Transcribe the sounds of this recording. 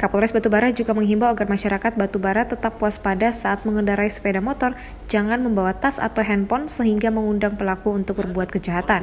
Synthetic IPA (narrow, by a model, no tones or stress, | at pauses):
kapuɾɛsbat̪ubaɾat̪̚d͡ʒuɡaməŋɦimbaaɡarmaʃaɾakat̪̚bat̪ubaɾat̪ːət̪apːuaspadasaat̪̚məŋəndaɾaisə̥pedamɔt̪ɔr | d͡ʒaŋanməmbawat̪asa̰t̪awɦɛnpɔnsəɦiŋɡaməŋundaŋpəlakuːnt̪ʊk̚bərbuat̪̚kəd͡ʒaɦat̪an